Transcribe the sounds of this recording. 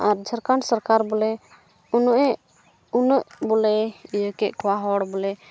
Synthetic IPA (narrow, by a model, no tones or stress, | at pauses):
aɾd͡ʒʱəɾkansəɾkaɾbɔlɛ | unɔʔɛʔ | unəʔbɔlɛijəkɛʔkɔwaɦɔɽbɔlɛ